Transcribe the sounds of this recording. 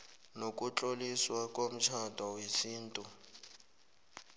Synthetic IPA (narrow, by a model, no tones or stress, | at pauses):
nokʼut͡ɬʼoliswakʼom̩t͡ʃʰatʼɔwisiːn̩tʼu